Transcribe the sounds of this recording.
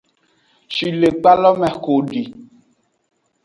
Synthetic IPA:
ʃi˨le˨k͡pa˦lɔ˦mɛ̃˨xo˨ɖi˨

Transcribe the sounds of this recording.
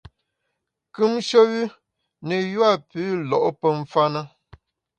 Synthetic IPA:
kʉ˦mʃə˦wʉ˦ | nə˨jwa˦˨pʉ˨˦lɔ˨ʔpə˦ɱ̩˦fa˦nə˦

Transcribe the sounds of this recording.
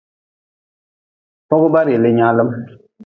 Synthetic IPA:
pɔ˦ɡu˦ba˦ɾe˨le˦ɲa˦lə˦m

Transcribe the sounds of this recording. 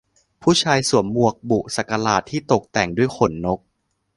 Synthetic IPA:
pʰuː˥˩t͡ɕʰaː˧jsu˨˩˦əmːu˨˩ək̚bu˨˩sa˨˩ka˧laː˨˩t̪ʰːiː˥˩t̪o˨˩k̚t̪ɛ˨˩ŋdu˥˩əjxʰo˨˩˦nːo˦˥k̚

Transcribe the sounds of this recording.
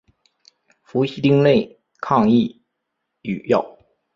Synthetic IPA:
fu˧˥ɕi˧˥t̪i˥ŋle˥˧ɪ | kʰɑ˥˧ŋi˥˩ | y˨˩jɑ˥˩ʊ

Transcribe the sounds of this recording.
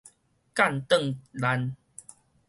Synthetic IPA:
ka˥˨nt̪ə˥˨ŋla˧˦n

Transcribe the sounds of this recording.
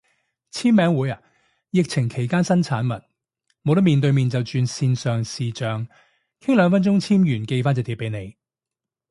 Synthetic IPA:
t͡sʰiː˥mmɛː˨˧˥ŋwuː˨˥jɐ˨ | jɪ˨k̚t͡sʰɪ˨˩ŋkʰe˨˩jkaː˥nsɐ˥nt͡sʰaː˨˥nmɐ˨˩t̚ | mo˨˧wt̪ɐ˥miː˨nt̪ɵ˧miː˨nt͡sɐ˨˩wt͡ʃyː˧nsiː˧nsœː˨ŋsiː˨t͡ʃœː˨ŋ | kʰɪ˥ŋlœː˧ŋfɐ˥nt͡ʃʊ˥ŋt͡sʰiː˥mjyː˨˩nke˧jfaː˥nt͡sɐ˨wt̪i˨˥pːe˨˧˥jne˨˧j

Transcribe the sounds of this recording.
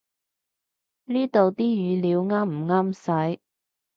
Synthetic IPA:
niː˥t̪o˨wt̪iː˥jyː˨˧liː˨˧wŋaː˥mm̩˨˩ŋaː˥msɐ˨˥j

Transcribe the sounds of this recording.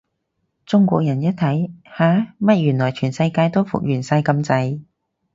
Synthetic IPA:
t͡sʊ˥ŋkʷɔ̰ː˧k̚jɐ˨˩njɐ˥t̚t̪ʰɐ˨˥jhaː˨˥mɐ˥t̚jyː˨˩nlɔː˨˩jt͡ʃʰyː˨˩nsɐ˧jkaː˧jt̪o˥wfʊ̰˨k̚jyː˨˩nsɐ˧jkɐ˧mt͡sɐ˧j

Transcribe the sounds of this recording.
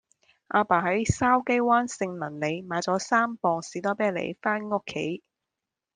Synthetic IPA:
ʔaː˧paː˨˩hɐ˨˥jsaː˥wke˥jwaː˥nsɪ˧ŋlɐ˨˩nle˨˧jmaː˨˧jt͡sɔː˨˥saː˥mpɔː˧ŋsiː˨˥t̪ɔː˥pɛː˥lḛ˨˩jfaː˥nŋʊ˥kʰːe˨˥j

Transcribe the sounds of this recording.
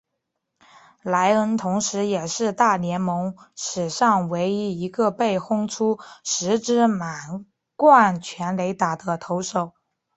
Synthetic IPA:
la˧˥ɪə˥nt̪ʰʊ˧˥ŋʂɻ̩˧˥jɛ˨˩ʂɻ̩˥˧t̪a˥˩ljɛ˧˥nmɤ˧˥ŋʂɻ̩˨˩ʂɑ˥˩ŋwe˧˥ɪi˥i˧˥ɡə˧pe˥˩ɪxʊ˥ŋʈ͡ʂʰu˥ʂɻ̩˧˥ʈ͡ʂɻ̩˥ma˨˩n | kwa˥˩nt͡ɕʰɥɛ˧˥nle˧˥ɪt̪a˨˩d̪ə˦t̪ʰo˧˥ʊʂo˨˩˦ʊ

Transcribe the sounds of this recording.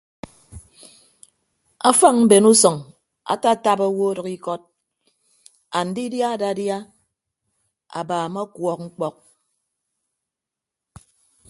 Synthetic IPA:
a˦fa˦ŋ̚m̩˦be˨nu˦sɔ˨ŋ | a̰˨ta˦˨ta˦ba˦wo˦ɾɔ˨ki˦kɔ˦t̚ | a˨n̩˨di˦dja˦a˦da˨˦dja˦ | a̰˨baː˨ma˦kwɔ˨k̚ŋ͡m̩˦k͡pɔ˦k̚

